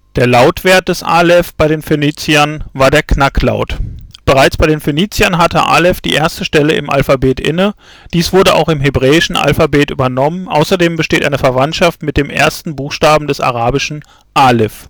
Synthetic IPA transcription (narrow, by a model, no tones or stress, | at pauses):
d̥eːɐlaʊtv̥eːɐt̚d̥ɛsʔa̰ːlɛfb̥aɪɾeːnfeniːt͡siɐnvaːɐdeːɐknakla̰ʊtb̥əʁaɪt͡sb̥aɪɾeːnfeniːt͡sjɐnɦatə̰ʔa̰ːlɛfd̥ḭːʔeːɐstəʃtɛləɪ̰mʔa̰lfabeːtʔɪ̰nə | d̥iːsv̥ʊɐdəʔa̰ʊxɪmɦebʁɛːɪʃn̩ʔa̰lfabeːtʔyːbɐnɔmənʔa̰ʊsɐdeːmbəʃteːtʔa̰ɪnəfɛɐvantʃaftmɪt̚d̥eːmʔḛːɐstn̩buːxʃtaːbm̩dɛsa̰ʁ̞aːbɪʃn̩ | ʔaːlɪf